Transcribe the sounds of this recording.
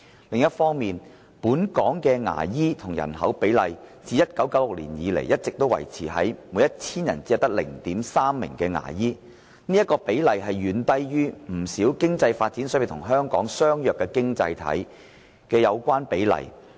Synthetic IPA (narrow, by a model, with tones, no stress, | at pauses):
lɪ˨ŋjɐ˥t̚fɔː˥ŋmiː˨n | puː˨˥nkɔː˨˥ŋkɛː˧ŋa̰ː˨˩jiː˥t̪ʰʊ˨˩ŋjɐ̰˨˩nɦɐ˨˥wpe˨˥jlɐ˨jt͡siː˨˧jɐ˥t̚kɐ˨˥wkɐ˨˥wlʊ˨k̚lḭː˨˩njiː˨˧lḛ˨˩jɐ˥t̚t͡sɪ˨k̚t̪o˥wɐ̰˨˩jt͡sʰiː˨˩ɦɐ˨˥jmuː˨˥jɐ˥t̚t͡sʰiː˥njɐ˨˩nt͡si˨˥ɐ˨wt̪ɐ˥k̚lɪ̰˨˩ŋt̪iː˨˥msaː˥mːɪ̰˨˩ŋkɛː˧ŋa̰ː˨˩jiː˥ | niː˥jɐ˥t̚kɔː˧pe˨˥jlɐ˨jɦɐ˨jɥyː˨nt̪ɐ˧jɥyː˥m̩˨˩siː˨˥wkɪ˥ŋt͡sɐ˧jfaː˧t̚t͡si˨˥nsœ˥pe˨˩t̪ʰʊ˨˩ŋɦœː˥ŋkɔː˨˥ŋsœː˥ŋjœː˨kːɛː˧kɪ˥ŋt͡sɐ̰˧jt̪ʰɐ̰˨˥j | kɛː˧jɐ˨˧wkʷaː˥npe˨˥jlɐ̰˨˩j